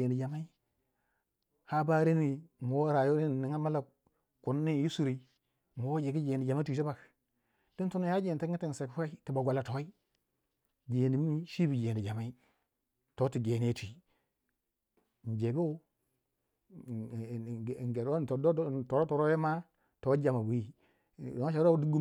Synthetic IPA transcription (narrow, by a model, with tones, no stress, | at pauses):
e˨ndi˨d͡ʒa˨ma˦i˦ | ha˦ba˦ɾe˦ni˨mu˨wo˦ɾa˨jo˦ɾe˦n˨ni˨ŋa˦ma˦la˨ | ku˨nː˦i˦˨ji˦su˨ɾi˨˦ | mu˨wo˦d͡ʒe˨ɡi˦d͡ʒe˨ni˨d͡ʒa˨ma˦i˨ti˦ba˨k | d̥i˦ntu˦no˦ja˦d͡ʒe˨n˨tŋi˦ti˦n˨se˨kʷa˦i˦ti˨ba˨ɡʷa˨la˨to˨wi˦ | ɡe˨ni˨m˦i˦ʃi˦bi˨d͡ʒe˨n˨di˨d͡ʒa˨ma˦i˦ | to˦ti˨ɡe˨n˨˦e˦tʷi˨ | n˨d͡ʒe˨ɡu˦o˦˨ | ɡe˨ɾo˨do˦to˨ɾo˦to˨ɾo˦je˦ma˦ | to˨˦d͡ʒa˨ma˨bu˨i˨˦ | ʃ̬a˨ɾo˦du˦ɡu˦